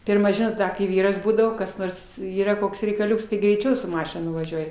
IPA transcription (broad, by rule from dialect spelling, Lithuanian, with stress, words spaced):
ˈpʲɪrmɐ ˈʒʲɪnoːt ˈdɐ kɐɪ ˈʋʲiːrɐs ˈbuːdɐʋoː kɐs ˈnoːrs ˈiːrɐ ˈkoːks rʲɛɪkɐˈlʲʊks tɐɪ ɡrʲɛɪˈt͡ʃʲɛʊ sʊ ˈmɑːʃʲɪn ˈnʊʋɐʒʲuɔj